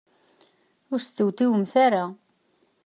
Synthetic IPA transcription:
ʊɾst̪ːəwt̪iwəmθaɾa

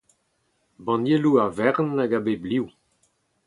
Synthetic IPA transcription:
bɑ̃njeluavɛʁnaɡabebliw

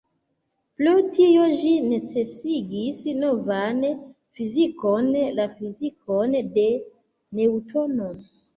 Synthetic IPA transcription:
plutio̞ʒine̞t͡se̞siɡisnovan | fizikonlafizikonde̞ | ne̞wtonon

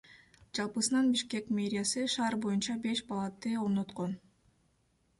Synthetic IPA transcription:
d͡ʒɑlˠpɯsɯnɑnbiʃke̞kmʲe̞ɾʲɪjasɯʃɑːɾbo̞junt͡ʃɑbe̞ʃpalˠat̪ːɯo̞ɾno̞t̪qo̞n

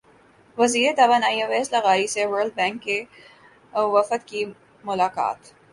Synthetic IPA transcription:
ʋɐziːɾet̪ɐbanaːjaʋɛːslaɣaːɾisewəɾlɖ̚bɛ̃ːŋkːe | ʋɐfət̪ki | mʊlaːka̰ːt̪

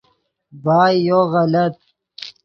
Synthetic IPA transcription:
baːjːoɣɐlɐt̪̚

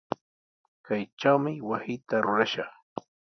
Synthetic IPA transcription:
kajʈ͡ʂt͡ʃawmɪwasɪjt̪aɾʊɾaʃɑχ

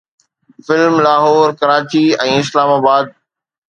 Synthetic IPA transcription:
fɪlmlaːɦɔːɾkɐɾaːt͡ɕiɛ̃ːɪslaːmaːbaːd̪̚

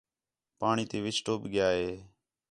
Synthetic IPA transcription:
paːɳ̃iːt̪eːʋɪsʈoːbɠɪjaːɦeː

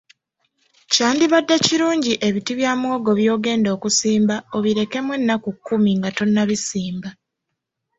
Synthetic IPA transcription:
caːndiβadːaciɾuːɲɟiʔe̞βitiβjaːmwo̞ːɡo̞βjo̞ːɡe̞ːndo̞ːkusiːmbao̞βiɾe̞ke̞mwe̞nːakukːumiŋɡato̞nːaβisiːmba

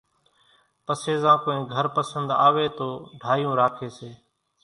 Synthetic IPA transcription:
pəseːzãːkoːẽːɡʱəɾpəsənd̪a̰ːʋeːt̪oːɖʱaːjũːɾaːkʰeːseː

